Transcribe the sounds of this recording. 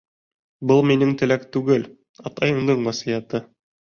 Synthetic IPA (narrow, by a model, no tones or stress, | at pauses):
bɤlˠminɘŋt̪ɘ̆lækt̪ʉɡɘl | ɑt̪ɑjɤ̆md̪ɤɴwæsijæt̪ɤ